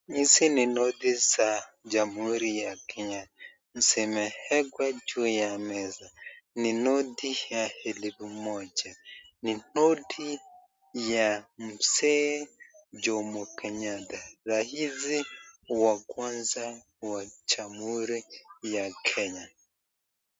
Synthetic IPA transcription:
isininodisa | d͡ʒamuɾijakʰɛɲa | n̩sɛmɛhɛɡwad͡ʒujamɛzaninodijahelibumɔd͡ʒɛninodi | jam̩sɛ | d͡ʒɔmɔkʰɛɲatazahiziwakwanza | wat͡ʃamuɾijakʰɛɲa

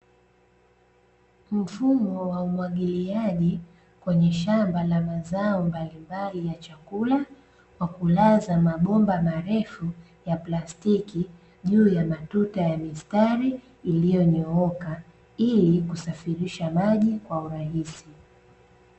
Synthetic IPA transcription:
m̩fumɔwaumwaɠiliaʄi | kwɛɲɛʃambalamazaɔmbalimbalijat͡ʃakula | wakulazamaɓɔmbamaɾɛfu | japlastiki | ʄuːjamatutajamistaɾiː | lijɔɲɔɔka | ilikusafiɾiʃamaʄikwauɾahisi

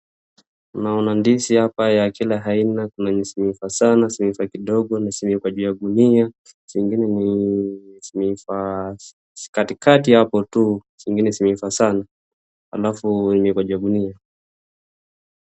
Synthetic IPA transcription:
naɔnandisihapajakilaɦainakunanisimifasanasimifakiɗɔɠɔnasimikwaʄujaɡunia | siŋɡinɛni | simifḁ | katikatihapɔtusiŋɡinɛsimifasana | ha̰lafunimikwaʄujaɡunia

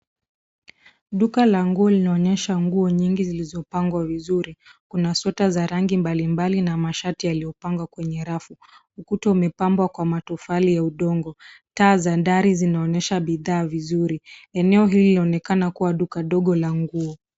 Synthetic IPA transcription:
ɗukalaŋɡuɔlinaɔɲɛʃaŋɡuɔɲiŋɡizilizɔpaŋɡwavizuɾikunasɔtazaɾaŋɡimbalimbalinamaʃatijalijɔpaŋɡwakwɛɲɛɾafu | ukutɔumɛpambwakwamatufalijauɗɔŋɡɔ | taːzandaɾizinaɔɲɛʃaɓiðaːvizuɾiɛnɛɔɦilinaɔnɛkanakuwaɗukaɗɔɠɔlaŋɡuɔ

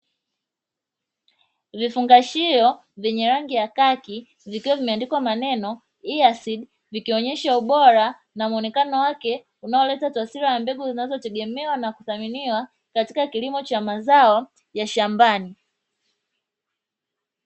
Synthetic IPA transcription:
vifuŋɡaʃiɔ | vɛɲɛɾaŋɡijakaki | vikiwavimɛandikwamanɛnɔ | iasiɗ | vikiɔɲɛʃauɓɔɾa | namuɔnɛkanɔwakɛ | unaɔlɛtatwasiɾajambɛɡuzinazɔtɛɡɛmɛwanakuθaminiwa | kati̥kakilimɔt͡ʃamazaɔ | jaʃambani

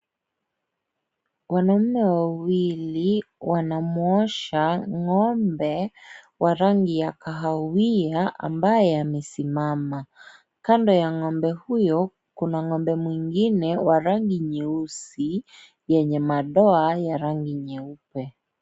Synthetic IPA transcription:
wanam̩mːɛwawiliwanamuɔʃaŋɔmbɛ | wʔaɾaŋɡijakaɦawiaʔa̰mbajɛamɛsimama | kandɔjaŋɔmbɛhujɔ | kunaŋɔmbɛmwiŋɡinɛwaɾaŋɡiɲɛusi | jɛɲɛmaɗɔajaɾaŋɡiɲɛupɛ

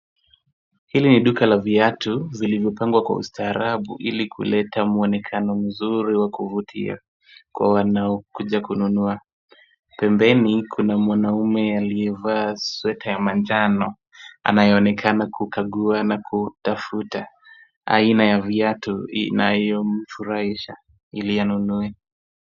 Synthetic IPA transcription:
hiliniɗukalaviatuzilivjɔpaŋɡwakwa̰ṵstaːɾaɓṵʔilikʰṵlɛtamuɔnɛkʰanɔm̩zuɾiwakuvutʰḭa̰ | kwa̰wanaɔkuʄakununua | pɛmbɛnikʰunamwanaumɛaliɛvaːswɛtʰajamand͡ʒanɔ | a̰najɛɔnɛkʰanakukaɠuanakʰutafuta | a̰inajaviatuḭnaɛjɔm̩fuɾaiʃa | ilijanunuɛ

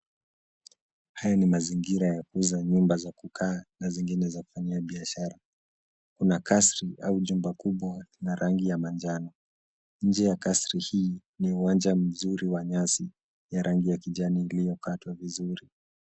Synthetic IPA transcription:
hajanimaziŋɡiɾajakuzaɲumbazakukʰaːnaziŋɡinɛzaku̥faɲiaɓiaʃaɾa | kunakasɾiʔauʄumbakuɓwanaɾʔaŋɡijamand͡ʒanɔ | ɲ̩d͡ʒɛjakasɾihiː | niuwand͡ʒam̩zuɾiwaɲasi | jaɾʔaŋɡijakiʄaniːlijɔkatwavizuɾi

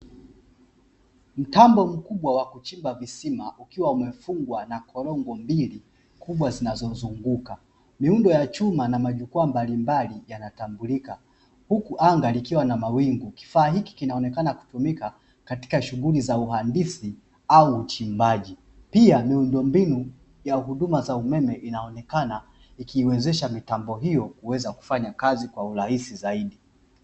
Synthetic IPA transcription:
m̩tambɔm̩kuɓwawakut͡ʃimbavisimaʔukiwaumɛfuŋɡwanakʰɔlɔŋɡɔmbili | kuɓwazinazɔzuŋɡuka | miundɔjat͡ʃumanamaʄukuambalimbalijanatambulika | hukuʔaŋɡalikiwanamawiŋɡuki̥faːɦiki̥kinaɔnɛkanaku̥tumika | kati̥kaʃuɣulizauɦandisi | auːt͡ʃimbaʄi | piamiundɔmbinu | jaɦuɗumazaumɛmɛʔinaɔnɛkana | ikiːwɛzɛʃamitambɔɦijɔkuwɛzaku̥faɲakazikwauɾahisizaiɗi

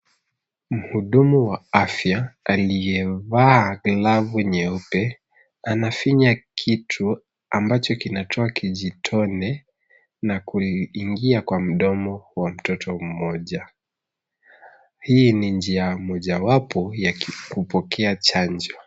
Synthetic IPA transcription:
m̩huɗumuwaafjaːlijɛvaːɡlavuɛɲɛɔpɛ | anafiɲakʰitʰu | ambat͡ʃɔkinatʰɔakʰiʄitʰɔnɛ | nakuiŋɡiakwam̩ɗɔmɔwam̩tɔtʰɔm̩mɔʄa | hiːnind͡ʒiamɔʄawapɔjakupɔkɛat͡ʃand͡ʒɔ

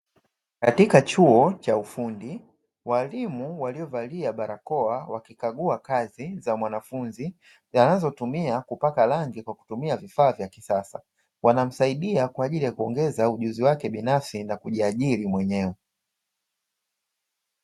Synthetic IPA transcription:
katikat͡ʃuɔt͡ʃaufundi | walimuwaliɔvaliaɓaɾakɔawakikaɠuakazizamwanafunzi | zanazɔtumiakupakalaŋɡikwaku̥tumiavifaːvjakisasa | wanam̩saiɗiakwaːʄilijakuɔŋɡɛzauʄuziwakɛɓinafsinakuʄiaʄiɾimwɛɲɛwɛ

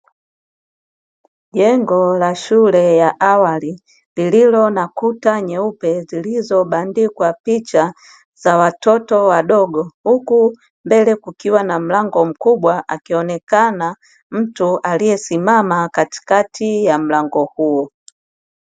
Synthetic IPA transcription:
ʄɛŋɡɔlaʃulɛjaʔawali | lililɔnakutaɲɛupɛzilizɔɓandikwapit͡ʃa | zawatɔtɔwaɗɔɡɔhuku | mbɛlɛkukiwanam̩laŋɡɔm̩kuɓwaʔa̰kiɔnɛkana | m̩tuʔalijɛsimamakati̥katʰijam̩laŋɡɔhuɔ

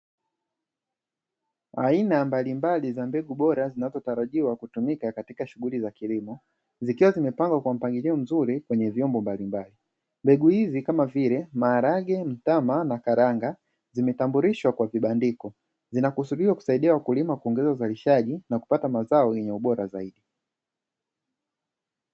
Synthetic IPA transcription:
ainambalimbalizambɛɡuɓɔɾazinazɔtaɾaʄiwakutumikakatikaʃuɣulizakilimɔ | zikiwazimɛpaŋɡwakwam̩paŋɡiliɔm̩zuɾikwɛɲɛvjɔmbɔmbalimbali | mbɛɡuhizikamavilɛmaːɾaɡɛm̩tamanakaɾaŋɡa | zimɛtambuɾiʃwakwaviɓandikɔ | zinakusuɗiwaku̥saiɗiawakulimakuɔŋɡɛzauzaliʃaʄinaku̥patamazaɔjɛɲɛuɓɔɾazaiɗi

